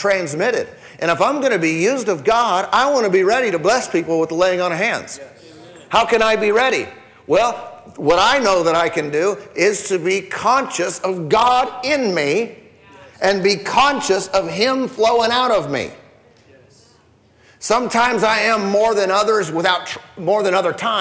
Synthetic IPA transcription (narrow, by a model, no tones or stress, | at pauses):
tʰɹ̥æ̃nzmɪɾɪ̰ɾ | ʔɨ̃ñəfãɪ̃mɡʌnɨbijʉzdʌvɡɑɾaɪwɑ̃nɨbiɹɛɾiɾɨblɛspʰipl̩ˠwəðleɪɪ̃ŋə̃nə˞ɦæ̃ndz̥ | haʊkɨ̃ñaɪbiɹɛɾḭ | wɛlˠ | wʌɾaɪnoʊðəɾaɪkɨ̃ndɨɪz̥tʰɨbikʰɑ̃nʃɨsʌvɡɑɾɪ̃nmi | ʔɨ̃nbikʰɑ̃nʃɨsʌv̥ɪ̃ɱfloʊɪ̃ŋaʊɾʌvmḭ | sʌ̃mtʰãɪ̃mzaɪɨ̃mːɔɹðɨ̃nʌðə˞zwəθaʊtmɔɹðɨ̃nʌðə˞tʰãɪ̃